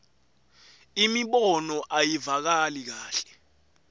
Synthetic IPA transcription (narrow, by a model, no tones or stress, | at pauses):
imiɓɔnɔʔajivak̬alik̬aːɬɛ̥